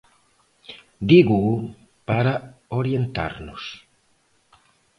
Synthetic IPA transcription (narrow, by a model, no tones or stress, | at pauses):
d̪iɣu | paɾaoɾjent̪a̰ɾnʊs